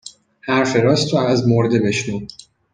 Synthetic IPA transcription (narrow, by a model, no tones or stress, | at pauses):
hæɾfeɾɒːst̪ʰoæzmoɾd̪ebeʃnuː